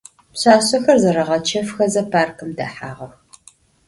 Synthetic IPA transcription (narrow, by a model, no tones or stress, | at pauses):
pɕaːɕɐxɐrzɐɾɐʁɐt͡ʃʰɐfxɐzɐpʰaːrkʰɨmdɐ̰ħa̰ːʁɐx